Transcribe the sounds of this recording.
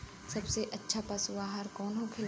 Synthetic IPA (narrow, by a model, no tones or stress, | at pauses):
sɐbseʔɐtːʃʰapɐsʊaɦɐɾkɔːnɦokʰel